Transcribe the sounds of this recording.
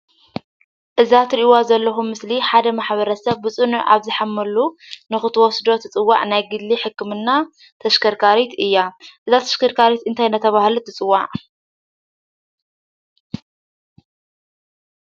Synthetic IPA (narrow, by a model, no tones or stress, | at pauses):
ʔɨzat̪ʰɨɾʔiwazɐlːɐxumːɨsliħad̪ɐmaħβɐɾɐsɐβːɨt͡sʼɨnuʕʔa̰βzɨħamːɐlunɨxɨt̪ʰɨwɔsd̪o̞t̪ʰɨt͡sʼɨwːa̰ʕnajɡɨd̪liħɨkːɨmɨnːa | t̪ʰɐʃkʰɐɾkʰaɾit̪ɨjːaʔɨzat̪ʰɐ̥ʃkʰɐɾkʰaɾit̪ɨnt̪ʰajnɐt̪ʰɐβahlut̪ʰɨt͡sʼɨwːaʕ